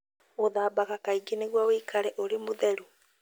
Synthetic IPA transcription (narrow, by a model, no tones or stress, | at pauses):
oðaːbaɣakaiɡeneɣwaweːkʰaɾɛʔoɾemoðɛɾu